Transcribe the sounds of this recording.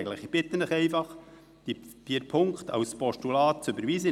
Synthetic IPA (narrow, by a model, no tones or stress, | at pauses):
ləχib̥ɪt̪ənɪχɛɪfɑχ | d̥ifiɾpʰʊŋkχt̪ʰɑ̰wspɔʃtulɑːt̚t͡søbəɾʋiːsə